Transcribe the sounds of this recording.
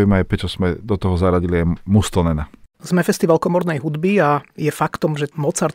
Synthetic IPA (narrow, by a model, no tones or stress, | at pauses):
imaːjpɾɛt͡ʃɔsmɛd̪ɔt̪ɔɦɔzaɾaɟiliajmust̪ɔnɛnaz̥mɛfɛst̪iʋalkɔmɔɾnɛjɦud̪biajɛfakt̪ɔmʒɛmɔt͡saɾ